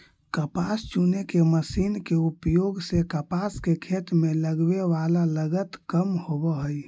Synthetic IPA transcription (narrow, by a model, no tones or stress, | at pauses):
kəpast͡ʃunekeməsinkeupjoɡsekəpaskekʰet̪meləɡbeʋalaləɡət̪kəmhobəɦəj